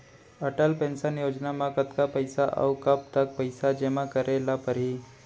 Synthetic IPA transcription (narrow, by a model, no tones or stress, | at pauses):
əʈəlpɛ̃nsənjod͡ʒnamakət̪kapəjsaʔa̰wkəp̚t̪ək̚pəjsad͡ʒemakəɾʔelapəɾi